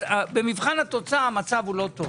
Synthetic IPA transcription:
abemivχanhat̪o̞t͡samat͡savulo̞t̪o

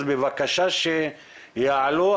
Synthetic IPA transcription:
bevakaʃaʃe | jaʕlo

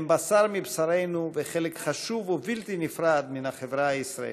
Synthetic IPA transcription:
mbasaɾmibsaɾejnuveχelekχaʃuvovilt̪inifɾad̪minaχevɾaaisɾaḛ

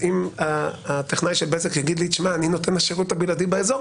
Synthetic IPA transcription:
imaat̪eχnajʃelbezekjaɡid̪lit͡ʃmaːnino̞t̪enaʃeʁut̪abiladibeezo̞

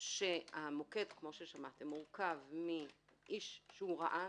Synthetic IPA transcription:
ʃeamokedkmo̞ʃeʃamat̪emːuʁkavmiʔiʃʃeuʁa̰ʔa

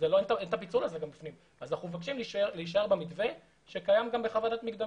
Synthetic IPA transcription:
zeloent̪aent̪apit͡sunazeɡambifnim | azanaχumevakʃimlʃeleiʃ̬ae̞ʁbemitve | ʃekajamɡambeχavadat̪miɡd̪a

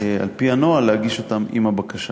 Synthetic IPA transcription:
a̰lpiano̞alehaɡiʃo̞t̪amḭmabakaʃa

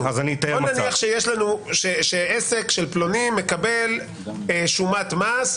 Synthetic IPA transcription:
azanit̪ajemnaniaχʃejeʃlanuʃeʃeese̞kʃelplonimːekabe̞l | eʃumat̪mas

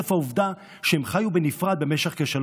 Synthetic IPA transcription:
afauvd̪a | ʃeemχajubenifʁad̪be̞meʃeχkeʃal

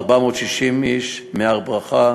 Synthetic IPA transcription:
ʁbamot̪ʃiʃimiʃmeaʁbʁaχa

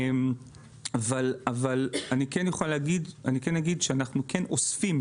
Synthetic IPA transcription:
m | avalavalanikenjoχaleːɡid̪anikenːaɡid̪ʃeanaχnukʰeno̞sfim

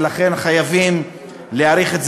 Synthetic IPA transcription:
laχe̞nχajavim | leaɾiχetz

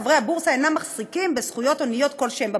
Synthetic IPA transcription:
vʁehabuʁsaenamːaχsikimbesχujo̞to̞nijo̞t̪ko̞lʃemba

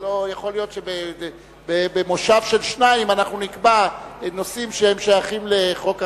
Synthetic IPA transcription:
lojaχo̞ljo̞t̪ʃebe | bebemo̞ʃavʃe̞lʃnaimanaχnunikbanosimʃeemʃajaχimle̞χo̞ka

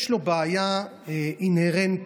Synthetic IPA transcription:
ʃlobaːja | ʔinheʁent

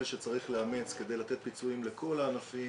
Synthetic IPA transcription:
ʃet͡saʁiχleamet͡ske̞d̪e̞jlat̪e̞t̪̚pit͡suimle̞kʰo̞laːnafi

